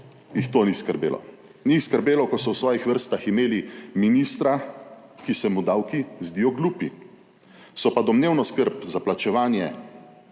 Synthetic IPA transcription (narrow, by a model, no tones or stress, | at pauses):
jixt̪oːniskəɾbeːlɔ̰ | niskəɾbeːlɔkɔsɔwsʋɔːjixʋəɾst̪aximeːliminist̪ɾakisɛmud̪awkizd̪ijɔɡluːpi | sɔpad̪ɔmneːwnɔskəɾpzaplat͡ʃɛʋaːnjɛ